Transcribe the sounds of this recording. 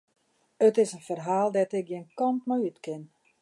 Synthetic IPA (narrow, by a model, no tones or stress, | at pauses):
ətɪsənfərɦaːlˠdɛtɪk̚ɡjinkɔntmɔjytkɪn